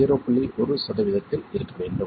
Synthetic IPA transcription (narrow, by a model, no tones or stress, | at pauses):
eɾoːpːɐɭːiʔɔɾɯsɐðɐʋɪðɐt̪ːɪlɪɾɯkːɐʋeːɳɖɯ